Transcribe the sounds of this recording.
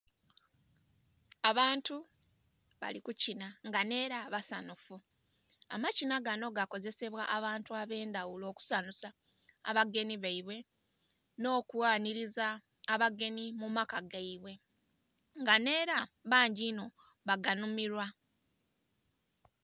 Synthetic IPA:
aβaːntu | βa̰likucinaŋɡane̞ːɾaβasanufu | a̰macinaɡano̞ɡako̞ze̞se̞βwaʔaβaːntuaβe̞ːndawulo̞ːku̥sanusa̰ː | βaɡe̞niβaiβwe̞ | no̞ːkuwaːniɾizaː | βaɡe̞nimumakaɡaiβwe̞ | ŋɡane̞ːɾaβaːɲɟino̞ | βaɡanumiɾwa

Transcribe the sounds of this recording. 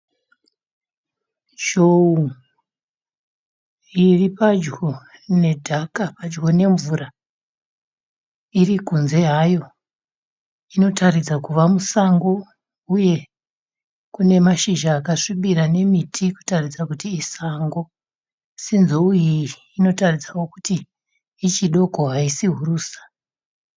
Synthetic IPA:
ʒ̥ou | iripad͡ʒɡo̞ne̞dʱakapad͡ʒɡo̞ne̞ɱvura | irikunze̞ɦajo̞ | ino̞tʰarid͡zakuʋamusaŋɡo̞ | uje̞ | kune̞maʃiʒaːkaʂiɓiɾane̞mitʰiku̥tarid͡zakutiːsaŋɡo̞ | sinzoujiː | no̞tarid͡zawo̞kutiː | t͡ʃiɗo̞ko̞ɦaisiɦuruːsḁ

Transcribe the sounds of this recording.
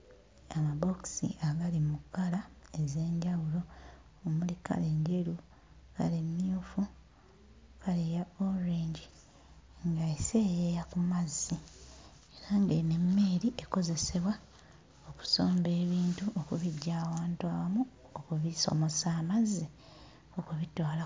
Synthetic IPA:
amabo̞ksḭʔaɡalimukːalae̞ze̞ːɲɟawulo̞ | omulika̰leɲɟe̞ɾu | ka̰lemːijuːfu | kalejaoɾeːɲɟi | ŋɡaesejejakumazːi | eɾaŋɡe̞ne̞mːe̞ːɾiʔe̞ko̞ze̞se̞βwa | o̞ku̥so̞ːmbe̞ːβiːntuʔokuβiɟːaːwaːntuawamu | okuβiso̞̰mo̞saːmazːi | okuβitola

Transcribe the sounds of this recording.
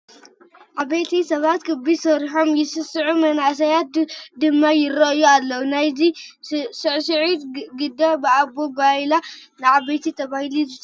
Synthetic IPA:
ʕaβɐjt̪ʰisɐβat̪kʰɨbisɐɾħo̞mjɪsɨsɨʕumɐnaʔs̬ɐjat̪̚d̪ɨmːajɪɾɐʔjualːɐwunajzisɨʕsɨʕit̪ɡɨd̪abɨabobalanɨʕaβɐjt̪ʰit̪ʰɐβahilizɨ

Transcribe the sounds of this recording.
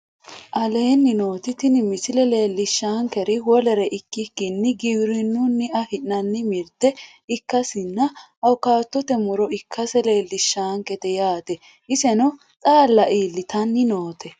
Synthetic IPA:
ʔɐle̞ːnːɪno̞ːt̪ɪt̪ɪnɪmɪsɪlɛle̞ːlːɪʃːaːŋkɛɾɪwɔlɛɾɛʔɪkːɪkːɪnːɪɡɪbɾɪnːʊnːɪɐhɪnːɐnːɪmɪɾt̪ɛ | ɪkːɐsɪnːɐ | ɐwkaːt̪ːɔt̪ɛmʊɾɔɪkʰːɐsɛle̞ːlːɪʃːaːŋkɛt̪ɛjaːt̪ɛ | ʔɪsɛnɔ | t̪ʼaːlːɐʔiːlːɪt̪ɐnːɪno̞ːt̪ɛ

